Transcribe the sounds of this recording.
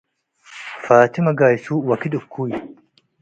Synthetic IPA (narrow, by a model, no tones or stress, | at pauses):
faːt̪ɪmɐɡaːjɪsuːwɐkɪɗ̪ʊkːuːjɪ